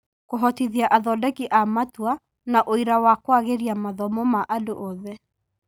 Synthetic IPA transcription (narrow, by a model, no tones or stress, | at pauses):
koɦɔtiðiaʔaðɔdɛkiʔamatwa | naʔoiɾawakwaɣeɾiamaðɔmɔmaʔadoʔɔðɛ